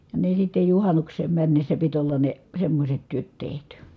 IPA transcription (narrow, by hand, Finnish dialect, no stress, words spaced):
jɑ ne sitːe juhɑnuksˑeːm mænːesːæ pit olːɑ ne semːosʲet tyøt tehty